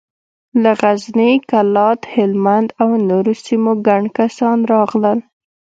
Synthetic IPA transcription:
laɣaznikalɑt̪hɪlmand̪awnoɾosimoɡaɳɖkasɑnɾɑɣləl

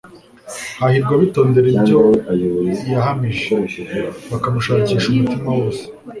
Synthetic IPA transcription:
hahiɾɡwaβito̞ːnde̞ɾibɟo̞ | jaɦamiʒeβakamuʃaːciːʃumutimawo̞ːse̥

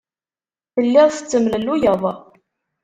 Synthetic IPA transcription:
θəlːɪðˤθə̥t͡sːəmləlːujəðˤ

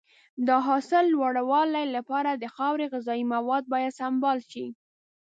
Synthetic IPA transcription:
d̪əɦɑsɪlːwaɽawɑlajlapɑɾad̪əxɑwɾeɣɪzɑimawɑd̪̚bɑjad̪sambɑlʃi

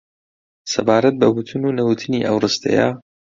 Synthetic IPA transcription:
sɐbaːɾɐt̪̚bɐbut̪ʰunuːnɐwut̪ʰɨniːʔɐwrɨst̪ʰɐ̰ja̰

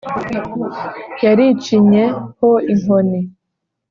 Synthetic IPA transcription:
jaɾit͡ʃiɲehoiŋoni

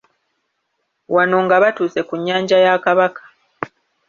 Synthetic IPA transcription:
wano̞ŋɡaβatuːse̞kuɲːaːɲɟajakaβakḁ

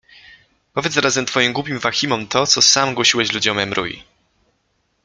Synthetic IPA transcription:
pɔvʲjɛt̪sɾazɛmt̪fɔjimɡwupʲimvaxʲimɔmt̪ɔt̪sɔsamɡwɔɕiwɛɕlud͡ʑɔmɛmɾṵj̰

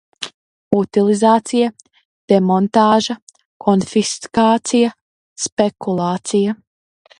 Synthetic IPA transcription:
ut̪ilˠizaːt̪sija | d̪̥ɛmont̪aːʒɐ | kʰɔnfiskaːt̪sija | spekulˠaːt̪sija

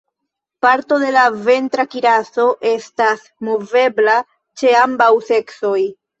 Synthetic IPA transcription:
paɾto̞de̞lave̞ntɾakiɾaso̞ʔe̞stas | mo̞ve̞bla | t͡ʃe̞ambawse̞kso̞j

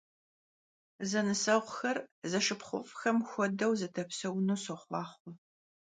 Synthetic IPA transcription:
zɐnɨsɐʁʷxɐrzɐʂɨpχʷʊ̰fxɐmxʷɔdɐwzɐtʰɐpsɐwnuːsɨχʷɑːχʷʊ

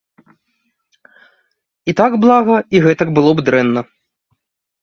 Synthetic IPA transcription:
it̪aɡblˠaɣɐiɣɛt̪ɐɡbɨlˠɔbd̪ɾɛnːɐ

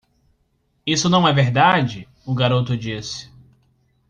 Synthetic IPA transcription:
isʊnɐ̃w̃ɛveɾd̪ad͡ʒɪ | ʊɡaɾot̪ʊd͡ʒisɪ̥

